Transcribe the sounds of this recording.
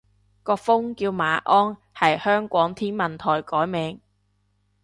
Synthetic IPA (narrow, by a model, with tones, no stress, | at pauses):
kɔː˧kfʊ˥ŋkiː˧wmaː˨˧ʔɔː˥n | hɐ˨jhœː˥ŋkʷɔː˨˥ŋt̪ʰiː˥nmɐ˨nt̪ʰɔː˨˩jkɔː˨˥jmɛː˨˧ŋ